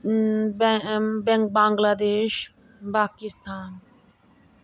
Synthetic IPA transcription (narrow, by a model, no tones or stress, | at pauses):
bɛ̃ŋk̚bãːŋɡlaːd̪eːʃ | baːkist̪ʰaːn